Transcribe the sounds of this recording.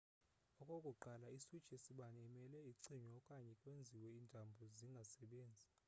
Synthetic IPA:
ɔkʼɔkʼuǃalaisud̥t͡ʃʰʼesiɓanɛimɛlɛiǀiɲɔkʼaɲɛkʼwend͡zʱiwɛintʼambʱɔziŋɡʱasɛɓeːnd͡zʱi

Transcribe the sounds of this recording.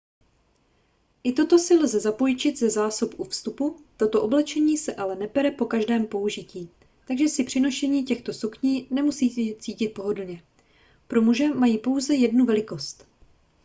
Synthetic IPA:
ʔɪt̪o̞t̪o̞sɪlzɛzapo̞jt͡ʃɪd̪zɛzaːsopʔufst̪uput̪o̞t̪oʔo̞blɛt͡ʃɛɲiːsɛʔalɛnɛpɛɾɛpo̞kaʒdɛːmpo̞uʒɪciː | t̪aɡʒɛsɪpr̝̥ɪno̞ʃɛɲiːcɛxt̪o̞sukɲiːnɛmusiːt͡siːcɪt̪̚po̞ɦo̞dl̩ɲɛ | pɾo̞muʒɛmajiːpo̞wzɛjɛdnuvɛlɪko̞st̪

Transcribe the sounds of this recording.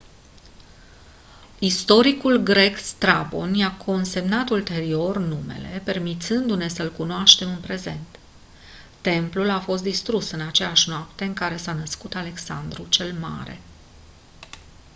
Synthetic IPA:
ist̪o̞ɾikulɡɾe̞kst̪ɾabo̞̰njakʰo̞nse̞mnat̪ult̪e̞ɾio̞rnume̞̰le̞̰pe̞rmit̪sɨnd̪une̞səlkunoaʃt̪e̞mɨnpɾe̞ze̞̰nt̪ː | e̞mplulafo̞st̪d̪ist̪ɾusɨnat͡ʃe̞jaʃnoapt̪e̞ɨŋkaɾe̞sanəskut̪ale̞ksa̰nd̪ɾut͡ʃe̞lma̰ɾe̞̰

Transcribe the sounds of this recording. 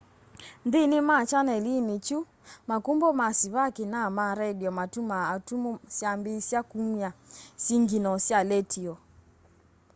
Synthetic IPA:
ndinɪmat͡ʃanɛlinit͡ʃu | makumbɔmasiβakenamaɾɛdiɔmatumaːtumusjambisjakumiasiŋɡinɔsjalɛtʰiɔ

